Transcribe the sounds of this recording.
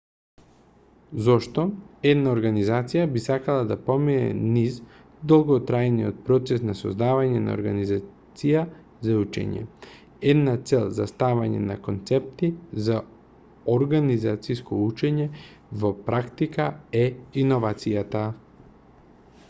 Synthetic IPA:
zɔʃt̪ɔɛd̪naoɾɡanizat̪sijabisakalˠad̪apɔminɛ̰niz | d̪olˠɡɔt̪ɾajnijot̪̚pɾɔt̪sɛsnasɔ̰zd̪avaɲɛna̰o̰ɾɡanizat̪sija | zaut͡ʃɛ̰ɲɛ̰ | ɛd̪nat̪sɛlˠzast̪avaɲɛ̰na̰kont̪sɛp̚t̪iza | oɾɡanizat̪siskɔut͡ʃɛɲɛ | vopɾakt̪ikaɛinɔvat̪sijat̪a

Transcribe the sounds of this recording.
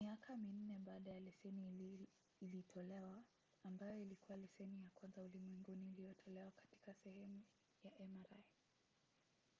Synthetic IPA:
miakʰamin̩nɛɓaːɗajalɛsɛni | ilitʰɔlɛwaː | mbajɔilikuwalɛsɛnijakwanzaulimwɛŋɡunilijɔtʰɔlɛwakḁti̥kasɛhɛmu | jaʔɛmaɾaj

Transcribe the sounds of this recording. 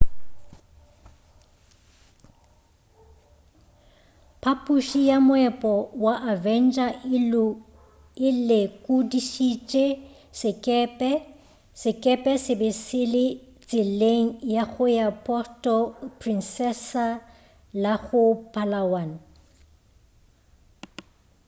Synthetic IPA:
pʰapʼuʃijamʊɛpʼɔwaʔavɛnt͡ʃʼa | ɪlekʼʊdiʃit͡ʃʼe | sɪkʼɛpʼɛ | sɪkʼɛpʼɛsɪbɪsɪlɪt͡sʼɪleŋ̩jaɣʊjapʼɔstʼɔpʰrinsɛsa | laɣʊpʰʼalawan

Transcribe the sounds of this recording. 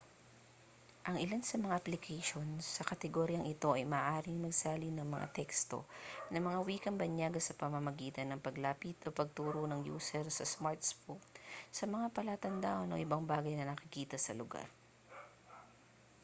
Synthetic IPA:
ʔɐŋʔɪlansɐmɐŋaʔɐplɪkʰɛjʃo̞nsɐkɐt̪ɛɡoːɾjɐŋʔɪt̪o̞ʔɐjmɐːʔaːɾɪŋmɐɡsaːlinɐŋmɐŋa̰t̪ɛkst̪o̞̰nɐŋmɐŋawiːkɛnbɐɲjaːɡɐsɐpɐmɐmɐɡiːt̪ɐnːɐŋpɐɡlaːpit̪ʔopɐɡ̚t̪uːɾonɐŋjṵːsɛɾsɐsmaɹt̪sfuksɐmɐŋapɐlat̪ɐnd̪aʔonʔo̰ʔɪbɐŋbaːɡɐjnɐnɐkɪkiːt̪ɐsɐ̰lʊɡa̰ɾ

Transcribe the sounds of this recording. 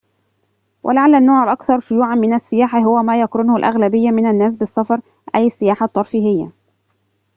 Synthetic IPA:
wʔa̰laʕalːanːoːʕaʔɑkθɑɾˤʃʊjuːʕanmɪnasːɪjaːħaɦʊwamaːjakɾʊnʊhʊlʔa̰ɣlabɪjːamɪnanːaːs̬bɪsːɑfɑɾˤ | ʔajsːɪjaːħat̪ˤːɑɾˤfihɪjːa̰

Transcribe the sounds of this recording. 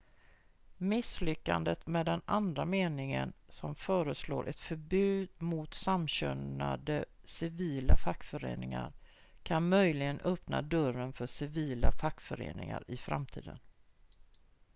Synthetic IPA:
mɪslʏkːand̪ət̪meːd̪ɛnand̪ɾameːnɪŋə̰nsɔmfœːɾəslo̰ːɾʔɛt̪fœɾbʉ̟ːd̪̚mʊt̪samɕœna̰d̪ə | sɪviːlafakːfœɾḛːnɪŋaɾ | kʰanmœjlɪɡənœpna̰d̪œɾənfœʂɪviːlafakːfœɾḛːnɪ̰ŋa̰ɾɪfɾa̰mt̪ʰḭːd̪ən

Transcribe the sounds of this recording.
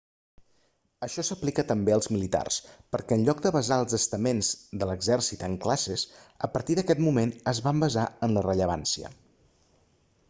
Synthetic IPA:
əʃɔsəplikət̪əmbeəlˠzmilit̪a̰rspəɾkɛənʎɔɡ̚d̪əβəzaəlˠzəst̪əmenzd̪ələɡzɛrsit̪əŋklasesəpəɾt̪iðəkɛt̪mumenəzβambəzaənlərəʎəβ̞ansiə̰

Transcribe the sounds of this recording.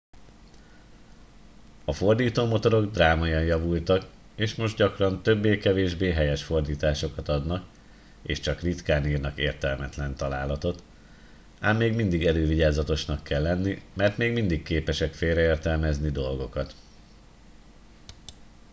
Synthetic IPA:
ɒfo̞rd̪iːt̪oːmo̞t̪o̞ɾo̞ɡd̪raːmɒjɒnjɒvult̪ɒk | eːʃmo̞ʒd̪ɟɒkrɒnt̪ø̞bːeːkɛveːʒbeːɦɛjɛʃfo̞rd̪iːt̪aːʃo̞kɒt̪ɒd̪nɒk | ḛːʃt͡ʃɒkrit̪kaːniːrnɒkḛːrt̪ɛlmɛt̪lɛnt̪ɒlaːlɒt̪o̞t̪ | aːmːeːɡmind̪iɡɛløːviɟaːzɒt̪o̞ʃnɒkːɛlːɛnːimɛrt̪meːɡmind̪ikːeːpɛʃɛkfeːɾɛeːrt̪ɛlmɛznid̪o̞lɡo̞kɒt̪

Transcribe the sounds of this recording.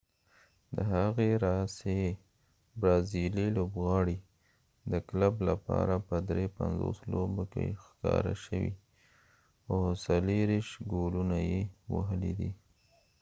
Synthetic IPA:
d̪əɦaɣeɾase | bɾɑzililobɣɑɽi | d̪əklablapɑ̰ɾapəd̪ɾepanzo̰slobokḛxkɑɾa̰ʃəwḭ | asaleɾiʃɡolunajewa̰ɦəlid̪i

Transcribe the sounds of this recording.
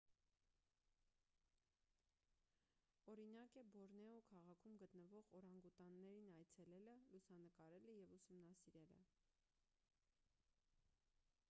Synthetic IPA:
ɔɾinɑkɛbɔɾnɛɔkʰɑʁɑkʰumɡət̪nəvɔʁɔɾɑŋɡut̪ɑnːɛɾinɑjt͡sʰɛlɛləlusɑnəkɑɾɛləjɛvusumnɑsiɾɛlə̰

